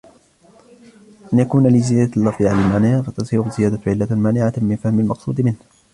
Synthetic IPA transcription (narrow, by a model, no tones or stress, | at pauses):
ʔanjakuːnalɪzɪjaːd̪alːɑfd̪ʕalalmaːnɪʕafat̪ɑsˤiːɾʊzɪjaːd̪aʕɪlːamaːnɪʕamɪnfahmɪlmɑqsˤṵːd̪mɪnh